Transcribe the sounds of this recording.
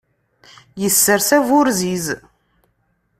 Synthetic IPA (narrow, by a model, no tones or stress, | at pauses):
jəsːəɾsævʊɾziz